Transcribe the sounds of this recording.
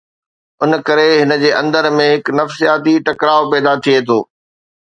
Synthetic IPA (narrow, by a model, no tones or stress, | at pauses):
ʊnkɐɾeɦɪnə̆d͡ʑeːʔɐ̃nd̪əɾmẽɦɪknɐfsijaːt̪iʈɐkɾaːopɛːd̪at̪ʰiet̪ʰoː